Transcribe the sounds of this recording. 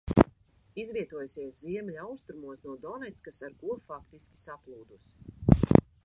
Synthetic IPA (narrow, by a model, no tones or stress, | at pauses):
izvʲiɛt̪uɔjusiɛsziɛmlʲawst̪ɾumuɔsnuɔd̪ɔnɛt̪skasaɾkuɔfakt̪iskʲi̥saplˠuːd̪us